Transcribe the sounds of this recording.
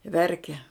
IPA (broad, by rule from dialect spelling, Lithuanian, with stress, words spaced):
ˈʋʲɛrʲkʲɛ